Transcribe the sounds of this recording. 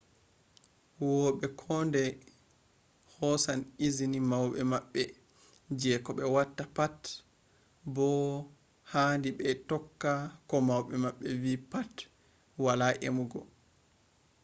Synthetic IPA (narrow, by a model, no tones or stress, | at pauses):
wɔɓɛkʰɔndɛ | hɔsanizinimawɓɛmaɓːɛ | d͡ʒɛkɔɓɛwatːapat | bɔ | haːndiɓɛtɔkːakɔmawɓɛmaɓːɛviːpat | walaʔḛmuɡɔ